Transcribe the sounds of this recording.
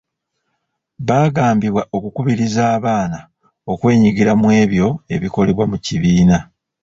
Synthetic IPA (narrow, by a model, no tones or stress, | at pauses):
βaːɡaːmbiβwaʔo̞kukuβiɾizaːβaːna | o̞kwe̞ːɲiɡiɾamwe̞ːβjo̞e̞̰βiko̞le̞βwamuciβiːna